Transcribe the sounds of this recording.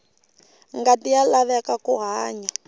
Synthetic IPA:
ŋɡatijalaβɛkakuɦaːɲa

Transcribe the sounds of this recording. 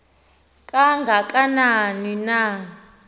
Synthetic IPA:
kʼaŋɡʱakʼananina

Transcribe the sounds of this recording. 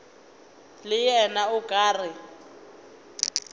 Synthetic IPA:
lɪjɛnaʊkʼaːrɪ

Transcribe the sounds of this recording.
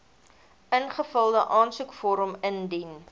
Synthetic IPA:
ənχəfəlˠdəʔɑːnsukfɔɾəməndin

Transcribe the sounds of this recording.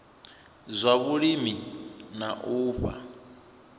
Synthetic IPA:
zʷaβuɺiminaʔuːɸa̰

